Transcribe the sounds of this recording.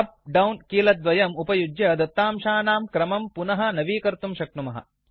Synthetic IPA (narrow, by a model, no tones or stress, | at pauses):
ɐp̚ɖɐwnkiːlɐt̪ːʋɐjɐmupɐjud͡ʒjɐd̪ɐt̪ːaːmʃaːnaːmkɾɐmɐmpunɐɦɐ̆nɐʋiːkɐɾt̪umʃɐk̚numɐɦɐ̰